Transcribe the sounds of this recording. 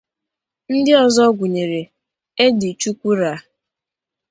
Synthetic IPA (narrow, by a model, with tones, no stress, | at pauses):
n̩˦dɪ˦ɔ˨zɔ˦ɡʷʊ˨ɲe˨ɾe˨ | e˦di˨t͡ʃu˦kʷu˦ɾa˨˦